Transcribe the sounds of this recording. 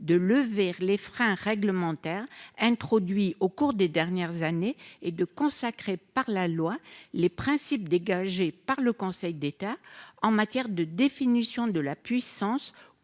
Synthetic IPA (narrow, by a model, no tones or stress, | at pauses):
d̪ələvelefχɛ̃ʁɛɡləmɑ̃t̪ɛʁɛ̃t̪χɔd̪ɥiokuʁd̪ed̪ɛʁnjɛʁzaneed̪əkɔ̃sakχepaʁlalwalepχɛ̃sip̚d̪eɡaʒepaʁləkɔ̃sɛjd̪et̪aɑ̃mat̪jɛʁd̪əd̪efinisjɔ̃d̪əlapɥisɑ̃s